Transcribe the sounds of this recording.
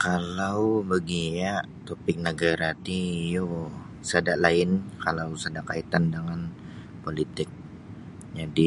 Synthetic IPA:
kalawbəɡija | t̪opɪk̚nəɡaɾat̪ijo | sadaʔlaɪnkalawsadakait̪andəŋan | polit̪ɪk̚ | d͡ʒadi

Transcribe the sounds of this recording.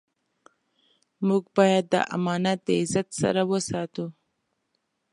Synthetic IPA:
muɡbɑjad̪ːə̰ʔa̰mɑnat̪̚d̪əɪzat̪sa̰ɾawəsɑt̪u

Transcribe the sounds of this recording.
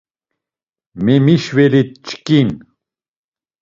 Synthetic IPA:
memiʃweɾit̪̚t͡ʃʰkin

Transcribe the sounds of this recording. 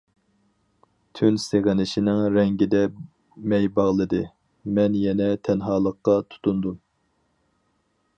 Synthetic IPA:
t̪ʰynseʁɪnɪʃinɪŋɾɛŋɡʲid̪ɛ | mɛjbɑʁlˠɨd̪ɨ | mɛnjɛnɛt̪ʰɛnɦɑːlˠəqːɑt̪ʰu̥t̪ʰund̪um

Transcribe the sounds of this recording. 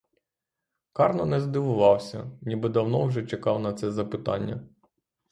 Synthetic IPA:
kɑrnɔnɛzd̪ɪʋʊʋɑwsʲɐnʲibɪd̪ɐwnɔwʒɛt͡ʃekɑwnɐt̪sɛzɐpɪt̪ɑ̰nʲːɐ̰

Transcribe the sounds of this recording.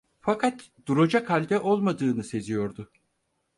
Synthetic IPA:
fakʰat̪ | d̪̥uɾod͡ʒakʰalʲd̪ɛʔo̞lˠmad̪ɯːnɯse̞zijo̞ɾd̪ʊ

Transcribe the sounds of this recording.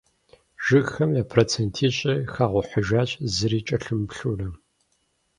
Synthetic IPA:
ʒ̥ɨxɐmjaːpʰroːt͡sʰentʰiːɕʼɐxaːʁʷʊħəʒaːɕʼzɨɾiːt͡ʃʼɐɬɨmpɬurɐ

